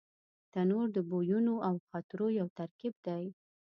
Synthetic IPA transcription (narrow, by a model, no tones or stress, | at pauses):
t̪anoɾd̪əbojunoawxat̪ɾojawt̪aɾkib̚d̪aj